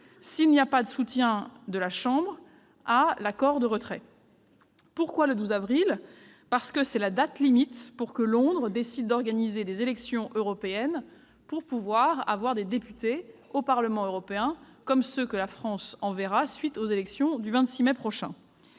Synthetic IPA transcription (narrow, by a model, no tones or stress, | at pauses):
silniapad̪əsut̪jɛ̃d̪əlaʃɑ̃bʁ | alakɔʁd̪əʁət̪χɛ̰ | puʁkwaləd̪uzavʁil | paʁsə̥kəsɛlad̪at̪limit̪puʁkəlɔ̃d̪ʁəd̪esid̪ːɔʁɡanized̪ezelɛksjɔ̃ʔøʁɔpeɛn | puʁpuvwaʁa̰vwaʁd̪ed̪epyt̪eopaʁləmɑ̃øʁɔpeɛ̃ | kɔmsəkəlafχɑ̃sɑ̃vɛʁasɥit̪ozelɛksjɔ̃d̪yvɛ̃t̪simɛpχɔʃɛ̰̃